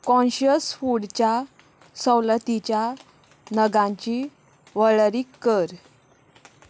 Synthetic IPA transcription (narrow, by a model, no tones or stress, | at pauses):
kɔ̃nɕjəsfuɽt͡ɕja | səwlət̪it͡ɕja | nəɡãɲt͡ɕi | ʋəɭɾiːkːəɾ